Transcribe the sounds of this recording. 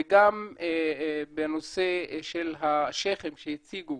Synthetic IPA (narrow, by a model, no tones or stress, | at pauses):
eɡam | benoseʃelɦaʃeχemʃejit͡siɡu